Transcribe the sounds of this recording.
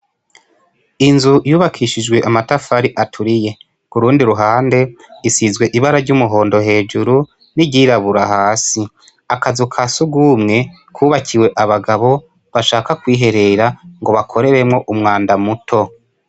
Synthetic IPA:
inzujuːβakʰiʃid͡ʒɡwe̞ʔamatafaɾiʔatʰuɾije̞ | kuɾuːndiɾuɦaːnde̞isizwe̞ʔiβaɾaɾɟuːmuɦo̞ːndo̞ɦe̞ːd͡ʒuɾu | niɟiɾaβuɾaɦaːsi | akazukʰasuɡuːmŋe̞ | kʰuːβakʰiwe̞ʔaβaɡaβo̞ | βaʃaːkakwiːɦe̞ɾe̞ɾaŋɡo̞βakʰo̞ɾe̞ɾemŋo̞ʔumŋaːndamutʰo̞

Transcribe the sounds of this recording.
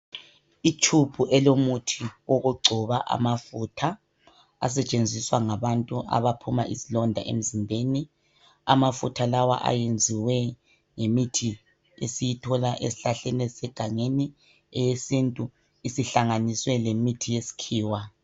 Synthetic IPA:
it͡ʃʰub̥ʱuʔɛlomutʰiwoɣuɡ͡ǀʱuβaʔa̰mafutʰa | a̰s̬ɛt͡ʃʼend͡zʱiswaŋaβantʼuʔa̰βapʰumaʔḭsilɔndʱa̰ʔḛm̩zimbʱeni | a̰mafṵtʰalawa̰ʔa̰jend͡zʱiwɛ | ŋemitʰi | esijitʰɔlaʔḛsiɬaɬɛnɛsɛɡ̥ʱaŋeni | ɛjesintʼu | isiɬaŋaniswɛlemitʰijesi̥kʰiːwa

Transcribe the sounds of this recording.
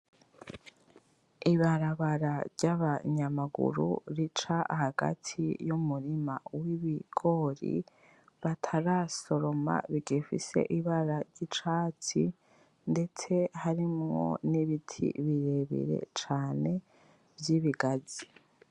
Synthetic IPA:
iβaɾaβaɾaɾɟaβaɲamaɡṵɾṵɾit͡ʃaʔhaɡa̰tʰḭjumuɾima̰wiβiɡ̥o̞ɾḭ | βatʰaɾaso̞ɾo̞ma̰βiɡifḭse̞̰ʔiβaɾaɾɟit͡ʃaːt͡si | nde̞t͡se̞haɾimŋo̞̰niβitʰḭβiɾe̞βḭɾe̞̰t͡ʃaːne̞ | vjiβiɡazi

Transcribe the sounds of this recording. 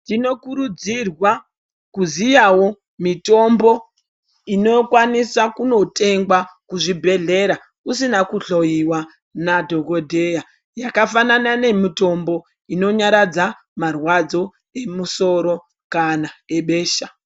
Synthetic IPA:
tino̞kuɾud͡zirwa | kuzijawo̞ | mito̞mbo̞ | ino̞kwanisakuno̞te̞ŋɡwakuʐibʱe̞ɮe̞ɾa | usinakuɬo̞jiwa | nadʱo̞ɡo̞dʱe̞ja | jakafananane̞mito̞mbo̞ | ino̞ɲaɾad͡za | marwad͡zo̞ | e̞muso̞ɾo̞ | kanae̞ɓe̞ːʃa

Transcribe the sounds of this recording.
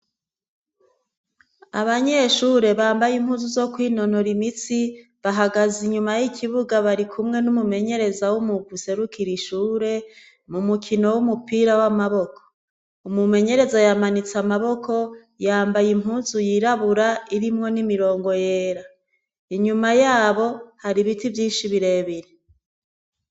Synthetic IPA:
aβaɲe̞ʃuːɾe̞βaːmbajim̥huːzuzo̞kwiːno̞no̞ɾimit͡si | βaɦaɡaziɲumajikʰiβuɡaβaɾikʰumŋe̞numume̞ɲe̞ɾe̞zawumuɡuse̞ɾukʰiɾiʃuːɾe̞ | mumukʰino̞wumupiːɾawamaβo̞kʰo̥ | umume̞ɲe̞ɾe̞zajamanit͡samaβo̞kʰo̞ | jaːmbajim̥ɦuːnzujiɾaβuɾaiɾimŋo̞nimiɾo̞ːŋɡo̞jeːɾa | iɲumajaːβo̞haɾiβitivjiːnʃiβiɾe̞ːβiɾe

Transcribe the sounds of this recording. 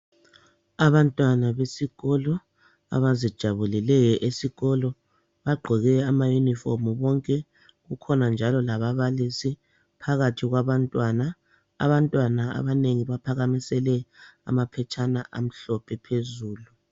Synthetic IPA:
aβantʼwanaβesiɣɔlɔ | a̰βazid̥ʒ̥ʱaβulilɛjɛʔesiɣɔlɔ | βaɡ͡ǃʱɔɣɛamajuniformuβɔŋkʼɛ | ɣukʰɔnand͡ʒʱalɔlaβaβalisi | pʰaɣatʰiɣwaβantʼwana | a̰βantʼwanaa̰βaneŋiβapʰaɣamisɛlɛa̰mapʰɛt͡ʃʰʼanaʔa̰m̩ɬɔpʰɛpʰezuːlu

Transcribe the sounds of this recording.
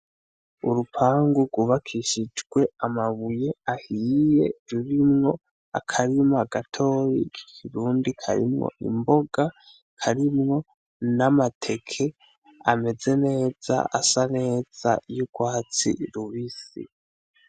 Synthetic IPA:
uɾupʰaːŋɡuɡ̥wuβakʰiʃid͡ʒɡwe̞amaβuje̞ahiːje̞̰ɾuɾimŋo̞ | a̰kʰaɾimaaɡatʰo̞ːɾḭkʰi̥kʰiɾuːndikʰa̰ɾḭmŋo̰ʔḭmbo̞ɡ̥a | kʰaɾimŋo̞ | namatʰe̞kʰe̞ | ame̞ze̞ne̞ːz̥a̰asane̞ːz̥a̰juɡ̥waːt͡sḭɾuβisḭ

